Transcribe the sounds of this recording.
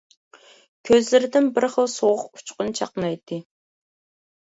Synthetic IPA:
kʲʰøzlɪɾɪd̪ɪnbɪɾχəlˠsoʁʊqu̥t͡ʃqʊnt͡ʃʰɑqnɑjt̪ʰːɨ

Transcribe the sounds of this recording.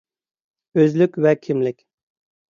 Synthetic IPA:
øzlykʲvɛkʲʰimlɪkʲ

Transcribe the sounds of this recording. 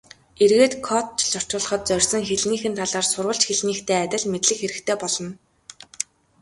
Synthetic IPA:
erɣeːt̪kʰɔt̪̚t͡ɕʰɮɔr̥t͡ɕʊ̆ːɮ̆χɞ̆t̪̚t͡sœrʲsɞ̆ŋxeɮniːxɘ̆nt̪ʰaɮaːrsʊrwə̆ɬt͡ɕxeɮniːxt̪ʰeːæt̪ʲɪ̆ɮmet̪ɮɘ̆xeɾɘ̆xt̪ʰeːpɔɮɞ̆n

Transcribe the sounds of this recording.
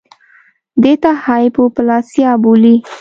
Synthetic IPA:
d̪et̪ahɑjpopəlɑsjɑbuli

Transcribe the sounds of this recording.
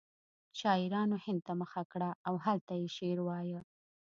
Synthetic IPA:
ʃɑɪɾɑnohɪnd̪̚t̪aməxakɽaːwɦalt̪ajeʃeɾwɑjə

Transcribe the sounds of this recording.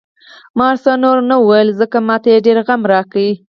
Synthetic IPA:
mɑɾsanoɾnawajəlzəkamɑt̪ajeɖeɾɣamɾɑkawi

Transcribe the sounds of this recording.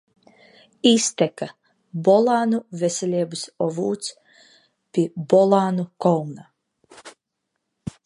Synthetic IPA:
ist̪ʲɛka | bɔlˠaːnuvʲɛsʲɛlʲiɛbɨsɔvuːt̪s | pʲibɔlˠaːnukɔlˠna

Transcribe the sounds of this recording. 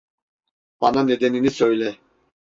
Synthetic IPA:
b̥ananɛd̪ɛninisœjlɛ

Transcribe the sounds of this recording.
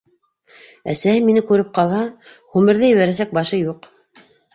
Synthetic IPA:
æ̰sæhɘminɘkʉɾɘp̚qɑlˠhɑχʉmɘ̆ɾðɘjɘ̆βæɾæs̬æk̚bɑʃɤjuq

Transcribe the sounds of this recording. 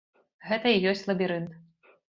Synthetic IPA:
ɣɛt̪ɐijɔsʲt͡sʲlˠɐbʲiɾɨnt̪

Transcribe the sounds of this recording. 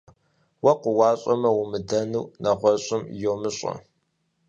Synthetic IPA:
wɐqʷʊwɑːɕʼɐmɐwʊmɨdɐnuwnɐʁʷɔɕʼɪmjoːmɨɕʼɐ̰

